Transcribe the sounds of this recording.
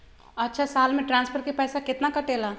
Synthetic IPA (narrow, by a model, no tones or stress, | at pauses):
ɐtːʃʰasaːlmẽʈɾãːnspʰəɾkepɛːsakɪt̪nakəʈeːla